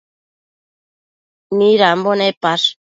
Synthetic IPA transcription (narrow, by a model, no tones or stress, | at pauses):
miɾambonepaɾ